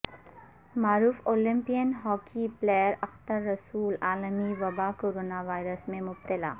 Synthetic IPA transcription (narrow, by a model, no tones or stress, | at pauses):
maːɾuːfoːlɪ̃mpijənɦɔːkʰiplejəɾɐxt̪əɾːɐsuːlaːləmiʋɐbaːkoːɾoːnaʋaːɪɾəsmẽmʊbt̪ɪla̰ː